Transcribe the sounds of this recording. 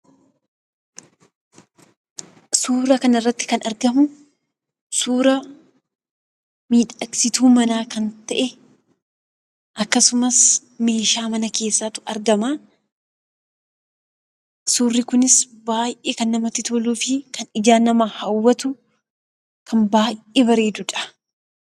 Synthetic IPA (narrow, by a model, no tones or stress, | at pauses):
suːɾɐkɐnɐrːɐt̪ːɪ̥kɐnɐɾɡɐmʊ | suːɾɐ | miːᶑɐksɪt̪uːmɐnaːkɐnt̪ɐʔɛ | ʔɐkːɐsʊmɐs | me̞ːʃaːmɐnɐke̞ːsːaːt̪ʊ̥ɐɾɡɐmaː | suːrːɪkʊnɪs | baːjʔeːkɐnːɐmɐt̪ːɪt̪oːluːfɪkɐnɪd͡ʒaːnɐmɐhɐwːɐt̪ʊ | kʰɐnbaːjʔʔeːbɐɾe̞ːd̪ʊᶑɐ̥